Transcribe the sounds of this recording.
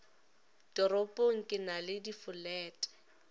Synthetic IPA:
d̥ɔɾɔpʼoŋ̩kʼɪnalɪdifʊlɛːtʼɛ̥

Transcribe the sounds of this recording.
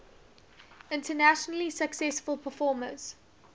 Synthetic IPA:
ɪ̃ntənaʃənəlisəksɛsfəlpʰəfɔːmə̰̃s

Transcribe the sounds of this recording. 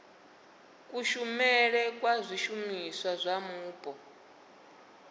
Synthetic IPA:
kʼuʃumɛɺɛkʼwazʷiʃumiswazʷamuːpʼɔ

